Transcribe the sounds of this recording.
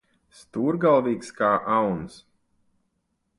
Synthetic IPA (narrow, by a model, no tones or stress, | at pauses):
st̪uːɾɡalˠviːkskaːʔawns